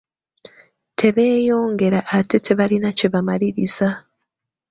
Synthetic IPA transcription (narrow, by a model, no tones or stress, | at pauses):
tʰe̞βe̞ːjo̞ːŋɡe̞ɾaʔatetʰe̞βalinaceβamaliɾiza